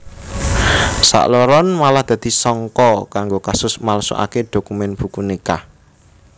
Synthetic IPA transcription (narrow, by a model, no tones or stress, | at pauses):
sa̰ʔloɾɔnmalahd̪̥ä̤d̪̥i̤sɔŋkɔkaŋɡokasʊsmalso̰ʔa̰ked̪̥o̤kumɛnb̥ukunika̰